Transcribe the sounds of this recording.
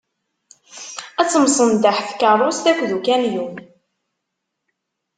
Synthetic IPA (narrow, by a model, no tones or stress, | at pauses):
æt͡sːəmsˤənd̪aħθkərˤːʊst̪ækʷːðukænjum